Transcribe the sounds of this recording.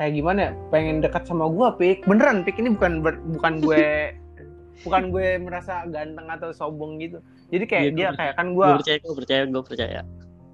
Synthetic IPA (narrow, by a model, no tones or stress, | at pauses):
kajakɡimanapeŋɛndəkat̪̚samaɡuapik̚bənəɾanpikinibukanbərbukanɡuɛ | bukanɡuɛməɾasaɡant̪əŋat̪awsobɔŋɡit̪u | d͡ʒadikajadiakajakanɡuaapət͡ʃajaɡuapərt͡ʃajaɡuapərt͡ʃa̰ja̰